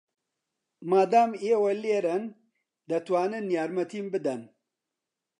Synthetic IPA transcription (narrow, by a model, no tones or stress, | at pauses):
maːd̪aːmewɐleːɾɐn | d̪ɐt̪waːnɨnjaːɾmɐt̪ʰimbɨd̪ɐn